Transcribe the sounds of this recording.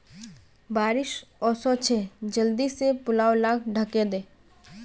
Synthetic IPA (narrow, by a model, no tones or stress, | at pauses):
baːɾɪʃɔːsɔt͡ʃʰeːd͡ʒəld̪isepʊlaːolaːkʰɖʱəked̪eː